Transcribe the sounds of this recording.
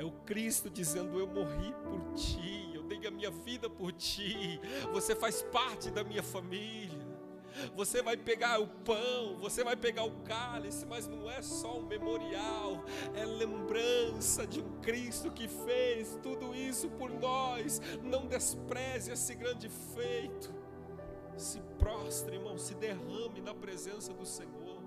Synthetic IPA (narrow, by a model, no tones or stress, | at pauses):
ɛʊkɾist̪ʊd͡ʒizẽnd̪ʊewmoɦipoɾt͡ʃiewd̪ejʊɐmĩɲɐvid̪ɐpoɾt͡ʃivosefajspaɾt͡ʃɪd̪ɐmĩɲɐfamiʎiɐ | vosevajpeɡaɾʊpɐ̃w̃vosevajpeɡaɾʊkalisɪmɐznɐ̃w̃ɛsɔʊ̃memoɾiawɛlẽmbɾɐ̃sɐd͡ʒɪũkɾist̪ʊkɪfejst̪ud̪ʊisʊpoɾnɔsnɐ̃w̃d̪espɾɛziesɪɡɾɐ̃nd͡ʒɪfejt̪ʊ̥ | sɪpɾɔst̪ɾɐiɾmɐ̃w̃ssɪd̪eɦhɐ̃mɪnɐpɾezẽsɐd̪ʊsẽɲoɾ